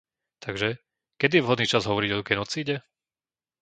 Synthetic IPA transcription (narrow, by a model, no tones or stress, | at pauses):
t̪ʰaɡʒɛ | kɛd̪ijɛʋɦɔd̪niːt͡ʃazɦɔʋɔɾiɟɔɡɛnɔt͡siːɟɛ